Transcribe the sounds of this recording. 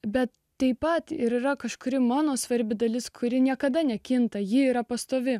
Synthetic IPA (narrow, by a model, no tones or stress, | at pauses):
bʲɛt̪ | t̪ɐɪpɐt̪ɪɾiːɾɐkɐʃkʊɾʲɪmɑːnoːsʋɐɾʲbʲɪd̪ɐlʲɪskʰʊɾʲɪnʲiɛkɐd̪ɐnʲɛkʲɪnt̪ɐjɪiːɾɐpɐst̪oːʋʲɪ